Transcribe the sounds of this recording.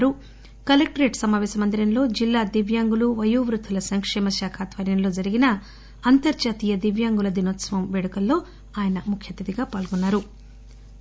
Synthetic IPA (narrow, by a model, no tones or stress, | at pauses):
ɾu | kɐlek̚ʈɐɾe̞ːʈsɐmaːʋɛːsɐmɐnd̪iɾɐnlo̞ːd͡ʒilːaːd̪iʋjaːŋɡuluʋɐjuːʋɾut̪ʰːulɐsɐŋkʂɛːmɐʃaːkʰaːt̪ʋɐɾjɐmlo̞ːd͡ʒɐɾiɡinɐ | ɐnt̪ɐɾt͡ʃaːt̪iːjɐd̪iʋjaːŋɡulɐd̪inoːt̪sɐʋɐmʋeɽukɐlːo̞ː | aːjɐnɐmukʰjɐt̪ːid̪iɡaːpaːlɡɔnːaːɾu